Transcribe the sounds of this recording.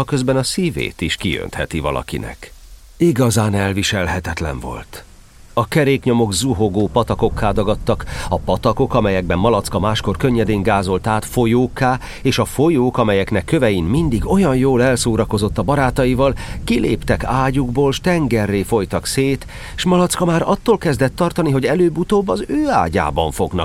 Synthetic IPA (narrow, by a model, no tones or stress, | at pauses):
ɒkø̞zbɛnɒsivḛːt̪iʃkijø̰nt̪hɛt̪ivɒ̰lɒ̰kḭnɛ̰k | iɡɒzaːnɛlviʃɛlɦɛt̪ɛt̪lɛ̰ɱvo̞̰lt̪ | ɒkɛɾeːkɲo̞mo̞ɡzuɦo̞ɡoːpɒt̪ɒko̞kʰːaːd̪ɒɡɒt̪ːɒkɒpɒt̪ɒko̞kɒmɛjɛɡ̚bɛmːɒlɒt̪skɒmaːʃko̞rkøɲːɛd̪eːŋɡaːzo̞lt̪aːt̪fo̞joːkːaː | eːʃɒfo̞joːkɒmɛjɛknɛkːø̞vɛjinmind̪iɡo̞jɒnjoːlɛlsoːɾɒko̞zo̞t̪ːɒbɒɾaːt̪ɒjivɒlkilʔḛːpt̪ɛkaːɟuɡboːlʃt̪ɛŋɡɛrːeːfo̞jt̪ɒkseːt̪ | ʃmɒlɒt̪skɒmaːɾɒt̪ːoːlkɛzd̪ɛt̪ːɒrt̪ɒniɦo̞ɟɛløːbut̪oːbːɒzøːa̰ːɟa̰ːbɒɱfo̞ɡnɒ̰k̚